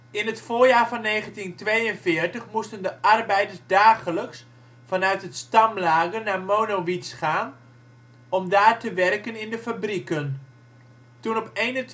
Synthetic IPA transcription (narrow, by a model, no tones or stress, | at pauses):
ɪnɦətfʊːɹjaːɹvɑnːejχəntintʋejənvɪːɹtəχmustəndəʔɑrbɛjdəɹsdaːχələks | fɑnœɥtɦətstɑmlaːɡənaːɹmoːnoʋitsχaːn | ɔmdaːrtəʋɛrkənɪndəfabrikən | tunɔpejnət